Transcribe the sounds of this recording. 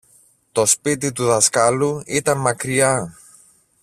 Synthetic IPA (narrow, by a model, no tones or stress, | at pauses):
t̪o̞spit̪it̪uðɐskɐluit̪ɐnmɐkɾiɐ